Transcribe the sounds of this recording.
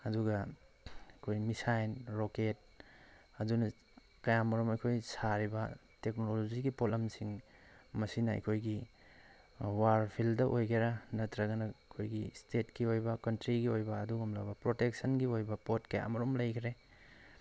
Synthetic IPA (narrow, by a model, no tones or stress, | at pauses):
ɐduɡɐ | ɐkʰojmisajnɾoket̚ | ɐdunɐ | kɐjamɐɾumɐjkʰojsaɾibɐ | tek̚nolod͡ʒiɡipolɐmsiŋmɐsinɐɐ̰jkʰojɡi | waɾpʰildɐʔojkʰeɾɐnɐtɾɐɡɐnɐkʰojɡistetkiojbɐkɐntɾiɡiojbɐːduɡumlɐbɐpɾotek̚sɐnɡiojbɐpotkɐja̰mɐɾumlɐjkʰɾe